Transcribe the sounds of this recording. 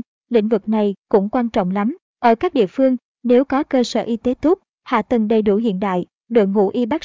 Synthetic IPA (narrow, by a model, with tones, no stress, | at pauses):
lḭ̈˧˥ŋ̟vɨ˨˩k̚na˨˩jkʊ̰˧˥ŋ͡mkwaː˧nt͡ɕɔ̰˧˨wŋ͡mla˨˦m | ʔəː˧˩kaː˦˥k̚ɗḭ˧˨əfɨ˧əŋ | ne˨˦wkɔ˨˦kəː˧səː˧˩ʔi˧t̪e˨˦t̪u˦˥p̚ | ha̰ː˧˨t̪ə˨˩ŋɗə˨˩jɗu˧˩ɦḭ˧˨ənɗa̰ː˧˨j | ɗɨ̰˨˩ək̚ŋṵ˧˩ʔi˧ɓa˦˥k̚